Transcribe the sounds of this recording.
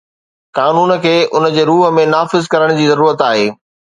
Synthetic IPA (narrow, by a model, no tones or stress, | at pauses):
kaːnuːnkʰeːʔʊnəd͡ʑeːɾuːɦəmẽnaːfɪzkɐɾəɽ̃d͡ʑiːzɐɾuːɾət̪aːɦeː